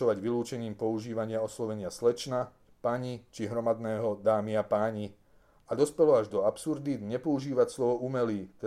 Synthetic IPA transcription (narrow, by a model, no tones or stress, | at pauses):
ɔʋaɟʋiluːt͡ʃɛɲiːmpɔuʒiːʋaɲɪaɔslɔʋɛɲɪaslɛt͡ʃna | paɲit͡ʃiɦɾɔmad̪nɛːɦɔd̪aːmiapaːɲi | ad̪ɔspɛlɔaʒd̪ɔapsuɾd̪iɲɛpɔuʒiːʋacslɔʋɔʔumɛliːt̪ɛ